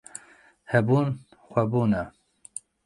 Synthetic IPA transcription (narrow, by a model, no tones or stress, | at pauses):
hɛbuːn | xʷɛbuːnɛ